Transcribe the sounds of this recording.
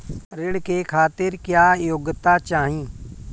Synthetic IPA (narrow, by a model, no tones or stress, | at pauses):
ɾɪɽkekʰaːt̪ɪɾkjaːjoɡt̪at͡ʃaːɦĩː